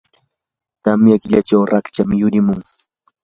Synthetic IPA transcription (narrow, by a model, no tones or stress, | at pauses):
t̪amjakɪʎat͡ʃawɾakt͡ʃamjʊɾɪmʊŋ